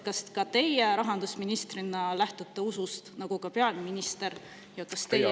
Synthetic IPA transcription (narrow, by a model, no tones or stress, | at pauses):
kɑskɑt̪e̞jeɾɑɦɑnd̪usminist̪rinːɑlæht̪ut̪ːe̞usust̪nɑɡ̥ukɑpeɑlminist̪e̞ɾ | jɑkɑst̪e̞j